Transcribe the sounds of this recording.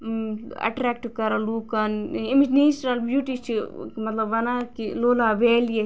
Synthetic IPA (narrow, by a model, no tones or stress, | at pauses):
ɐ̰ʈɾɛːk̚ʈkɐɾɐluːkɐniminiːsɾɐlbjuːʈit͡ʃʰimɐt̪lɐbɐnakiloːlaːʋeːlje